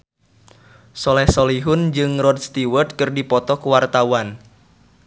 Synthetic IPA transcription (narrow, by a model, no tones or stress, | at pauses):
sɔlɛhsoliɦʊnd͡ʒɨŋrɔd̪̚st̪iwərt̪̚kɨrdipɔt̪ɔkuwart̪awan